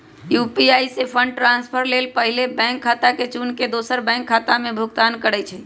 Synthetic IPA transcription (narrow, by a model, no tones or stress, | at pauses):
jupiaisepʰəɳɖ̚ʈɾanspʰəɾlelpəɦilebɛ̃ŋkʰːat̪aket͡ʃunked̪osəɾbɛ̃ŋkʰːat̪amebʱuɡt̪ankəɽɛt͡ʃʰɛ